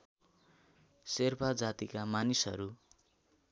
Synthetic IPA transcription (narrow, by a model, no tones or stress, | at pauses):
serpʰad͡zat̪ikamanisʌ̰ɾu